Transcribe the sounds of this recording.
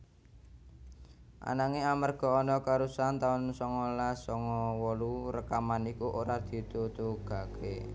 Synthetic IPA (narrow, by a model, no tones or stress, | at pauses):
ʔa̰naŋeamarɡ̥ɔ̤ɔnɔkaɾusant̪aʊnsɔŋɔlasɔŋɔwɔluɾəkamanikuʔoɾad̪̥i̤t̪ut̪uɡ̥ä̤kʰe